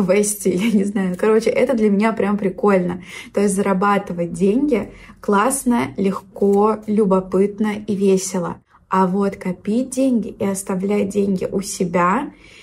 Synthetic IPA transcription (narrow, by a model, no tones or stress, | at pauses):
vɛsʲtʲɪjanʲɪznajʊnkɐɾo̞t͡ɕɪʔɛt̪əd̪lʲəmʲɪnʲapɾʲampɾʲɪko̞lʲnət̪o̞ɪsʲtʲzəɾɐbat̪ɨvədʲenʲɡʲɪklˠasnəlʲɪxkolʲʊbɐpɨt̪nəivʲesʲɪlˠə̰ | ɐvo̞t̪kɐpʲidʲenʲɡʲɪiɐst̪ɐvlʲæjʲdʲenʲɡʲɪ̰ʔʊsʲɪbʲa